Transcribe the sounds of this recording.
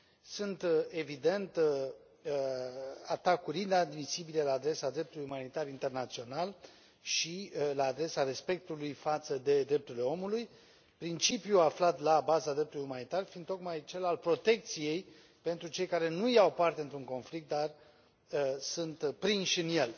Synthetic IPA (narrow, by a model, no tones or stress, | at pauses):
sunt̪e̞vid̪e̞nt̪ | əat̪akuɾind̪ad̪misibilelaːd̪ɾe̞sad̪ɾe̞p̚t̪ulujumanit̪arint̪e̞rnat̪sio̞nal | ʃilaːd̪ɾe̞sare̞spe̞k̚t̪ulujfat̪səd̪e̞d̪ɾe̞p̚t̪uɾile̞o̞muluj | pɾint͡ʃipjuaflat̪labazad̪ɾept̪ulujumanit̪arfind̪t̪o̞kmajt͡ʃe̞lalpɾo̞t̪e̞k̚t̪sije̞j | pe̞nt̪ɾut͡ʃe̞jkaɾe̞nujawpart̪e̞ɨnt̪ɾuŋko̞nflik̚t̪̚d̪ar | əsunt̪pɾinʃɨnje̞l